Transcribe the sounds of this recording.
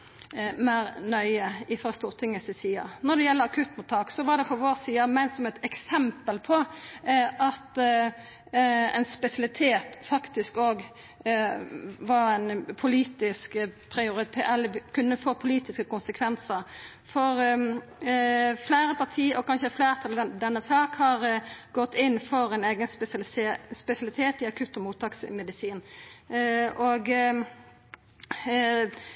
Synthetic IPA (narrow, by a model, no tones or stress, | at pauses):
mæːɾnœʏəɪfɾɑst̪uːɾt̪ʰɪŋːəsɪsiːɑnɔd̪ɛjɛlːəɾɑkʰʉt̪mʊt̪ʰːɑːksɔʋɑɖ̪ɛfɔʋoːɾsiːɑmæɪnsɔmɛt̪ɛksɛmpəlpʰɔ | ʔɑt̪ | ɛ̰ɪnspɛsɑlɪt̪ʰeːt̪fɑkt̪ɪskoːɡ | ʋɑɾæɪnpʰʊliːt̪ɪskpʰɾɪʊɾɪt̪ʰeːɛlːəɪkʰʉnːəfoːpʰʊliːt̪ɪskəkʊnsəkʰʋɛnsəɾ | fɔɾ | flæːɾəpɑʈ̪ʰiːʔɔkʰɑnʃəflæːɾt̪ʰɑld̪ɛnːəsɑːkhɑɾɡɔt̪ːɪnːfɔɾɛneːɡənspɛslsespɛsɪɑlɪt̪ʰeːt̪ɪɑkʰʉt̪ːɔmuːt̪ʰɑːksmɛd̪ɪsiːn | oːɡ